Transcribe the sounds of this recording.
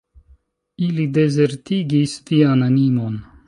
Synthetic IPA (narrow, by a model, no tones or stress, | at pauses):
ilide̞ze̞ɾtiɡistiananimo̞n